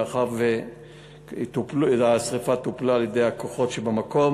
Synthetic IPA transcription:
χaʁve | t̪upluasʁifat̪uplaaljed̪e̞jhakoχo̞tʃebamako̞m

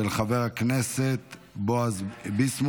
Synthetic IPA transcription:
elχaveʁhakneset̪ | boazbismu

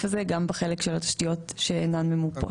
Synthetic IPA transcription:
fazeɡambeχelekʃelat̪ḁʃtijo̞tʃeːnanmemupo̰

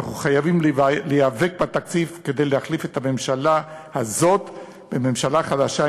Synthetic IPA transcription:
aχuχajavimllejave̞k̚bat̪akt͡sifke̞d̪e̞jlehaχlifet̪ame̞mʃalahazo̞t̪ | b̥eme̞mʃalaχadaʃa

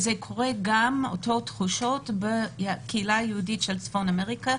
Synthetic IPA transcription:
zekʰo̞ʁeɡamo̰totχuʃo̞tbekʰeilajeuditʃelt͡sfonameʁika

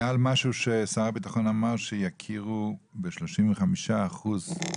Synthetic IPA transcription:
almaʃuʃesaʁabit̪aχonamaʁʃejakʰiʁubeʃloʃimveχamiʃaːχuz

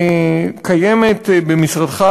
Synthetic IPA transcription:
kajemet̪bemisʁad̪χa

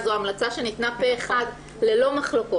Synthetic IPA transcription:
zoamlat͡saʃe̞nitnapeːχad | le̞lo̞maχloko

